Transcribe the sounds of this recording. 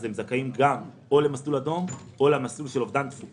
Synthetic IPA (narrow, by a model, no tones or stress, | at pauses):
zemzakaimɡam | o̞lemaslulad̪o̞mo̞leamaslulʃelo̞vd̪ant̪fu